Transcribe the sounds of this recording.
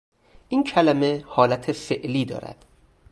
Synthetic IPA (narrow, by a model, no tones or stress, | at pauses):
ʔiːncʰælæme̞hɒːlæt̪ʰefeʔliːd̪ɒ̰ːɾæ̰d̪̥